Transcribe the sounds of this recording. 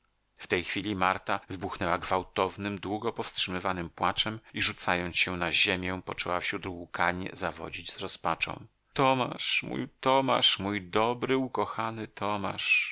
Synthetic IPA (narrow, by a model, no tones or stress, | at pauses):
ft̪ɛjxfʲilʲimaɾt̪avɘbuxnɛwaɡvawt̪ɔvnɘmd̪wuɡɔpɔfstʂɘmɘvanɘmpwat͡ʂɛmiʐut̪sajɔnsɕɛw̃naʑemʲjɛ̃pɔt͡ʂɛwafɕɾud̪wukaɲɛ̰zavɔ̰d͡ʑid͡ʑz̥ɾɔspat͡ʂɔ̰̃w̃ | t̪ɔma̰ʂmṵjt̪ɔma̰ʂmujd̪ɔbɾɘukɔxanɘt̪ʰɔma̰ʂ